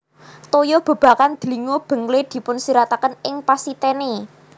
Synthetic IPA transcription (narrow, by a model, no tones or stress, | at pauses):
t̪ojob̥ə̤b̥ä̤kand̪̥əliŋob̥ə̤ŋled̪̥i̤pʊnsiɾat̪akənɪŋpasit̪ɛne